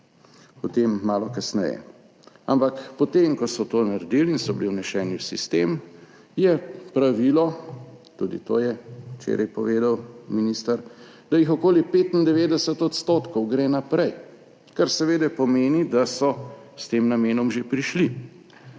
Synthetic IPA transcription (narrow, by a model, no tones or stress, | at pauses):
pɔt̪emːaːlɔkasnɛ̰jɛ̰ | ampakpɔt̪emkɔsɔt̪oːnaɾd̪ilinsɔbliwnɛʃɛːnjiwsist̪em | jɛpɾaʋilɔt̪uːd̪ḭt̪o̰ːjɛt͡ʃḛːɾʔɛjpɔʋeːd̪awminist̪aɾ | d̪̥ajixɔkoːlipeːt̪ind̪ɛʋeːd̪ɛsɛt̪ɔt̪st̪oːt̪kɔwɡɾeːnapɾɛj | kaɾsɛʋeːd̪ɛpɔmeːnid̪asɔst̪eːmnameːnɔmʒepɾiʃli